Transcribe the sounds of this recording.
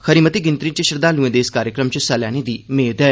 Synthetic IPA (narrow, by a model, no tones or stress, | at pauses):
xəɾiːmət̪iːɡɪ̃nt̪ɾĩːt͡ʃəʃəɾd̪aːluẽːd̪eːɪskaːɾjəkɾəmt͡ʃəsalɛːñeːd̪iːmeːd̪ɛː